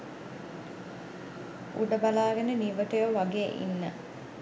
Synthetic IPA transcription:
ṵɖəbalaːɡɐnəniʋəʈujəʋaɡeːʔḭnːə

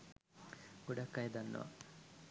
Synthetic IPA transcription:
ɡ̥uɖɐkːɐjd̪ɐnːɐ̰ʋɐ̰

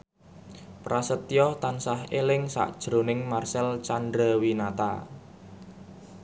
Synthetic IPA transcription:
pɾasət̪ijɔht̪ansahelɪŋsa̰ʔd̥ʒ̥ɾo̤nɪŋmarsɛlt͡ʃandɾawinat̪a̰

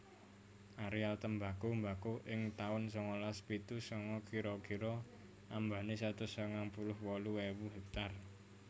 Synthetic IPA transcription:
ʔaɾialt̪əmbakombakoʔɪŋt̪aʊnsɔŋɔlaspit̪usɔŋɔkʰiɾɔkiɾɔ | ʔambanesat̪ʊsəŋaŋpulʊhwɔluwewuɦɛk̚t̪ar

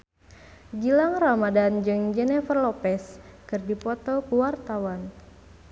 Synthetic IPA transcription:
d͡ʒilaŋramadand͡ʒɨŋd͡ʒɛnɛfərlɔpɛskɨrdipɔt̪ɔkuwart̪awan

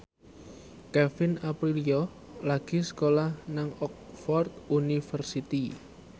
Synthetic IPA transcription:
kɛfɪnapɾiliɔ | laɡ̥i̤sə̥kolahnaŋɔk̚fɔrt̪̚unifərsit̪i

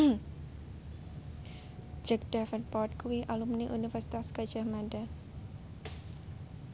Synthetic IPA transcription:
d͡ʒək̚d̥afənpɔt̪̚kuwiʔalumniʔunifərsit̪askḁd͡ʒahmada

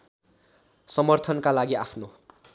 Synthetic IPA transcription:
sʌmʌrt̪ʰʌnkalaɡiapʰno

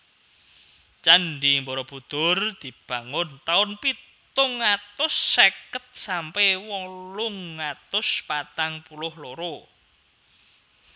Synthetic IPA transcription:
t͡ʃanɖimboɾɔb̥ṳd̪̥ʊ̤rd̪̥i̤b̥a̤ŋʊnt̪aʊnpi | t̪ʊŋːat̪ʊsːakət̪̚sampɛwɔlʊŋːat̪ʊspat̪aŋpulʊhloɾo

